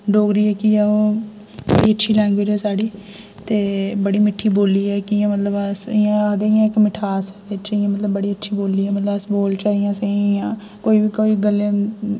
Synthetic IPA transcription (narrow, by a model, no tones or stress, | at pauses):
ɖoːɡɾiːɛːkɪjãːoː | bə̰ɽiːətːʃʰiːlɛːŋɡʋeːd͡ʒɛːsaːɽiː | t̪eːbəɽiːmɪʈʰːiːboːliːɛːkɪɪjãːmət̪ləbsɪjãːəd̪eːɪjãːɪkmɪʈʰaːsɛːd̪et͡ʃɪjãːmət̪ləbːəɽiːətːʃʰiːboːlːiːɛːmət̪ləbəsboːlt͡ʃaːɦɪjãːsə̃ɪjãː | koːiːʋiːkoːiːɡəlːe